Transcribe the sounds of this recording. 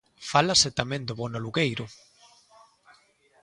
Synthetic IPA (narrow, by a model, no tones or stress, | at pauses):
falaset̪amẽnd̪oβonaluɣejɾʊ